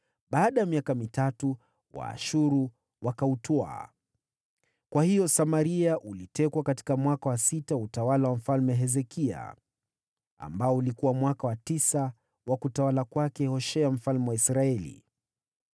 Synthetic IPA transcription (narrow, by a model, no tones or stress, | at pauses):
ɓaːɗajamiakamitatu | wa̰ːʃuɾu | wakautɔa̰ | kwahijɔsamaɾiaʔulitɛkwakati̥kamwakawasitautawalawam̩falmɛɦɛzɛkʰia̰ | a̰mbaɔulikuwamwakawatisa | wʔakutawalakwakɛhɔʃɛam̩falmɛwaisɾaɛlḭ